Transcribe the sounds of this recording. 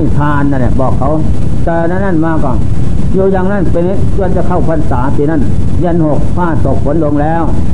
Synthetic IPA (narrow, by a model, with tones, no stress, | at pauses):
a˥˩jt̪ʰaː˧nːa˧˩nlɛ˧˩bɔː˨˩kʰːa˨˦˥w | t̪ɛː˧na˧˥˨na˧˥˩nmaː˧kɔ˨˩n | juː˧jaː˧ŋna˦˥˨npe˧na˦˧˩tu˧˨nt͡ɕa˧˩kʰa˧˩wpʰa˧˨nsaː˨˦siː˧˦na˧˥˩n | je˧˩˨nho˨˩k̚pʰaː˧˥˩so˨˩k̚fʰo˨˦nlo˧ŋlɛː˦˥˨w